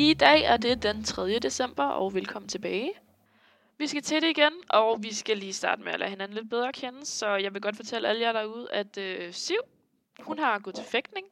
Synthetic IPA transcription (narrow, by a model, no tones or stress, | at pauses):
id̥ɛ̰ːæɐde̝d̥ent͡sʰʁɛð̞ˠjəd̥e̝sem̰b̥ɐʔɒʊʋelkʰɒ̽m̰n̩t͡sʰe̝b̥ɛːɪ | ʋisɡ̥æt͡sʰeɾ̥e̝iɡ̥enʔɒ̽ʊʋisɡ̥æliːsd̥ɑ̈ːd̥əmeælæ̰ːhe̝næn̩led̥̚b̥eð̞ˠʁɐːkʰenəsɒ̽jɑ̈ɪʋe̝ɡ̥ɒ̽d̥fɒ̽t͡sʰeləæləjæɾɑuð̞̰ˠæd̥øsiʊ̰ | hunɦɑ̈ɡ̥ɔðˠt͡sʰe̝feɡ̥d̥ne̝ŋ